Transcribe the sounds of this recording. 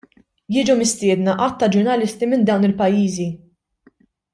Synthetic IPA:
jɪːd͡ʒumɪst̪ɪːd̪nɐʔɐt̪ːɐd͡ʒʊɾnɐlɪst̪imɪnd̪ɐwnɪlpɐjːiːzi

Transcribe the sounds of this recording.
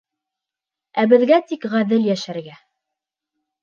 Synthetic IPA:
æbɘ̆ðɡæt̪ikʁæðɘljæʃæɾɡæ

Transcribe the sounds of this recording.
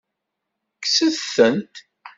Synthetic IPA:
ksəðθənt̪

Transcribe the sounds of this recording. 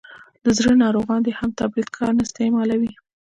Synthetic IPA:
d̪əzɾənɑɾoɣɑnd̪ehamt̪abɾid̪kʰɑɾnaɪst̪emɑlawi

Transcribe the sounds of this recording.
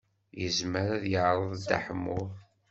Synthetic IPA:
jəzməɾæðjəʕɾˤəðˤd̪a̰ħmːʊðˤ

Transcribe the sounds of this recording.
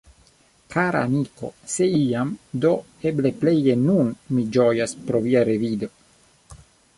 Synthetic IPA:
kʰaɾa̰ːmiko̞̰se̞iamd̪o̞ | eble̞pleje̞nunmid͡ʒojaspɾo̞viaɾevid̪o̞

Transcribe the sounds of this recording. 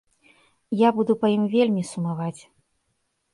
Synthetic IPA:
jabud̪upɐjimvʲelʲmʲisumavat͡sʲ

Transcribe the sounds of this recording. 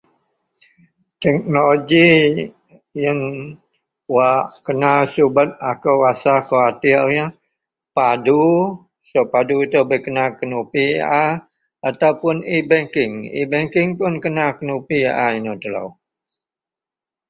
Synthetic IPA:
t̪ɛk̚nooɡi | jəŋ | waʔkənasubət̪̚akəwwasakoat̪iaɲə | padu | sopaduit̪əbəkənakənupḭa | at̪awpʊnibɛŋkɪŋḭbɛŋkɪŋpʊnkənakənupiʔainot̪əlo̰w

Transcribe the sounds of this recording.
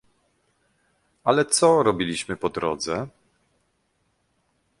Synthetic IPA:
alɛt̪sɔɾɔbʲilʲiɕmɘpɔd̪ɾɔ̰d̪zɛ

